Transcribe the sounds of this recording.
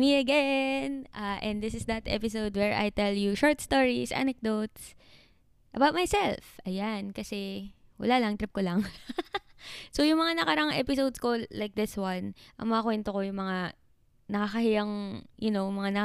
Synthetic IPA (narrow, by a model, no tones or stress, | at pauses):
miɐɡɛnʔaʔɛ̃nd̪d̪ɪsɪsd̪ɐt̪ʔɛ̰pɪs̬owd̪wɛɹʔa̰jt̪ɛljuʃoɹt̪st̪oɹisʔa̰nɛk̚d̪ot̪s | ʔɐbawt̪̚majsɛlfʔɐjankɐsɛwɐ̰lalɐŋt̪ɾɪp̚kolɐŋ | sojʊŋmɐŋanɐkɐɾɐʔaŋʔɛpɪsowd̪skolajk̚d̪ɪswɐnʔɐ̰ŋmɐŋakwɛnt̪okojʊŋmɐŋa | nɐkakɐhɪjaŋjʊnomɐŋanɐ